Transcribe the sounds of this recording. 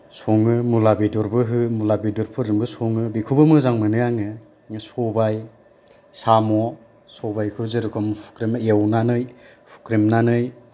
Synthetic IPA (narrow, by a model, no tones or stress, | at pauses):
sɔŋɯmulabidɔɾbɯɦɯmulabidɔɾpʰɯɾɯŋbɯsoŋɯbikʰubɯmɯzaŋmɯnɯjaŋɯ | ɯsɔbaj | samɔ | sɔbajkʰɯzɯɾɯkʰɔmpʰu̥kɾimɯewnanɯj | pʰu̥kɾimnanɯj